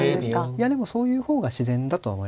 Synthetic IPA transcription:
jad̪e̞mo̞so̞ːjɯ̟ːho̞ːɡaɕizẽ̞nd̪at̪o̞a̰o̰mo̞i

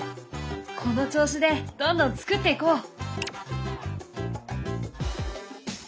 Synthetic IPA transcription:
kʰo̞no̞t͡ɕo̞ːɕid̪e̞d̪õ̞nd̪õ̞nt͡sɨ̥kɯ̟t̪ːeiko̞ː

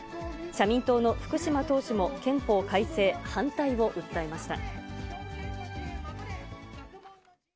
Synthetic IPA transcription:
ɕamʲĩnt̪o̞ːno̞ɸɯ̥kɯ̟ɕimat̪o̞ːɕimo̞kẽ̞mpo̞ːkaise̞ːhãnt̪aiβo̞ʔɯ̟t̪ːaemaɕi̥t̪a̰

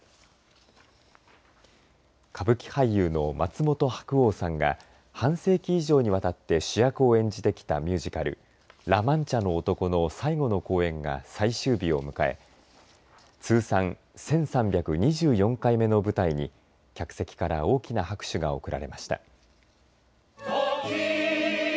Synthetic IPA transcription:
kʰabɯ̟kʲi̥haijɯːno̞mat͡sɨmo̞t̪o̞hḁkɯ̟o̞ːsãŋɡa̰ | hãɰ̃se̞ːkʲiːʑo̞ːɲ̟iβat̪at̪ːe̞ɕijakɯ̟o̞ẽ̞ɲ̟d͡ʑit̪e̞kʲi̥t̪a̰mʲɯːʑikaɾɯ̟̰ | ɾamãɲt͡ɕano̞ːt̪o̞ko̞no̞saiɡo̞no̞ko̞ːẽ̞ŋɡa̰saiɕɨːbʲio̞̰mɯ̟kae̞̰ | t͡sɨːsãñ | sẽ̞ɰ̃sãmbʲjakɯ̟ɲ̟iʑɨːjõ̞ŋkaime̞nobɯ̟t̪aiɲ̟i | kʲakɯ̟̥se̞kʲi̥kaɾao̞ːkʲinahakɯ̟̥ɕɨɡao̞̰kɯ̟ɾʔa̰ɾe̞̰maɕi̥t̪a̰

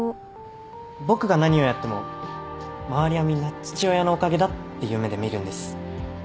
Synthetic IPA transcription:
bo̞kɯ̟ɡanaɲ̟io̞jat̪ːe̞mo̞̰ | maβaɾʲijamʲinːat͡ɕɨ̥t͡ɕio̞jano̞ːkaɡe̞d̪at̪ːe̞jɯ̟ːme̞d̪e̞mʲiɾɯ̟̃nd̪esɨ̥

